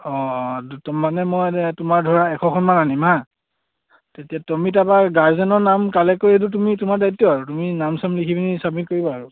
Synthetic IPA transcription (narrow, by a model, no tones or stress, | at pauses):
ɔ̃dutɔmːanɛmɔjnɛtumaɹdʱɔɹaɛkʰɔkʰɔnmananima | tetijatɔmitabaɡaɹzɛnɔɹnamkalɛkoɹed̬utumitumaɹdajitːɔaɹutuminamsamlikʰibinisabikoɹibɔaɹʊ